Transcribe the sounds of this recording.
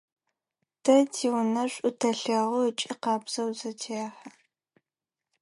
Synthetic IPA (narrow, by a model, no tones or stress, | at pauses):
d̥ʰɐtʰiwnɐɕʷʼʊtʰɐɬɐʁʊət͡ʃʼiqɑːbz̥ɐwzɐtʰeaːħa